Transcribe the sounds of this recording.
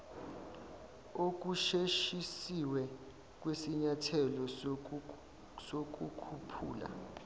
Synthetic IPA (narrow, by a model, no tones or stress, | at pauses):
ok̬uʃeʃisiwɛ | k̬wesiɲatʰɛlɔ | sok̬ukʰupʰṵːla̰